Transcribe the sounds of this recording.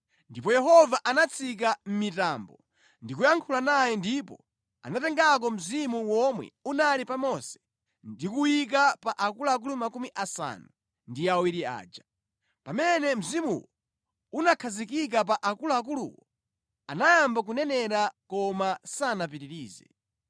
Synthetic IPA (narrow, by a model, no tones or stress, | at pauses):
ndipɔjɛɦɔvaʔanat͡sʰik̬am̩mitambɔ | ndikujaŋkʰulanajɛndipɔ̰ | a̰natɛŋɡak̬ɔm̩zimuwɔmwɛ̰unalipamɔsɛ̥ | dikuwik̬apaʔakulaak̬ulumakumiʔasa̰nu | ndiawiɾia̰ːd͡ʒa | pamɛnɛm̩zimṵwɔ | unakʰazikik̬ap̬aʔakulaak̬ulṵwɔ | anajambak̬unɛnɛɾakɔmasanapiɾiɾiːzɛ̰